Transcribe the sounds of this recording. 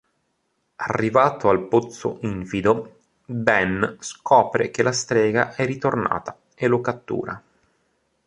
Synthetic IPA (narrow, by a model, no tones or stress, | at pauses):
arːivaːt̪oalpot̪sːo̰ʔiɱfid̪o | bɛnskʰɔːpɾḛkelast̪ɾɛːɡa̰ʔɛrit̪orna̰ːt̪a | elokat̪ːṵːɾa